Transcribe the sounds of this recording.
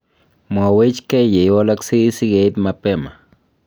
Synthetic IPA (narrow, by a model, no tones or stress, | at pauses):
mwawet͡ʃkejejolaksisiɡejd̪mapema